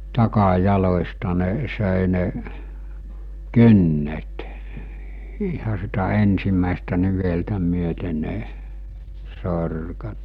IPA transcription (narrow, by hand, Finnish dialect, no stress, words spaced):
tɑkɑjɑlosʲtɑ ne̝ː søˑe ne kynːet ihɑ sitæ ensimˑæˑestæ niʋeltæ myøte ne sorkɑt